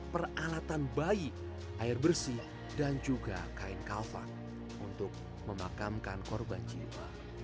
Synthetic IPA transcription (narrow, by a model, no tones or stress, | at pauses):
pəralat̪anbai | ʔaɪrbərsih | dand͡ʒuɡa̰kaɪŋkalfa̰n | unt̪ʊk̚ | məmakamkankɔrband͡ʒḭwa